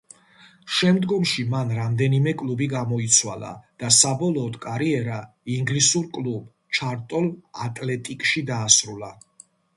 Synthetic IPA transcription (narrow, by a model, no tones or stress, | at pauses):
ʃɛmd̪ɡɔmʃimanɾamd̪ɛnimɛkʼlˠubiɡamɔit̪sʰwa̰lˠa̰d̪̥asabɔlˠɔːd̪kʼaɾiɛɾa | iŋɡlisuɾkʼlub | t͡ʃʰaɾt̪ʼɔla̰t̪ʼlɛt̪ʼikʼʃid̪aːsɾula